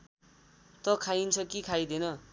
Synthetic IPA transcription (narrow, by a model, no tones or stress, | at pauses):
t̪ʌkʰajint͡sʰʌkikʰajd̪enʌ